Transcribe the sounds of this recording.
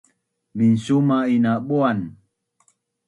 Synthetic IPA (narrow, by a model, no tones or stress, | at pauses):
minsumainaɓuan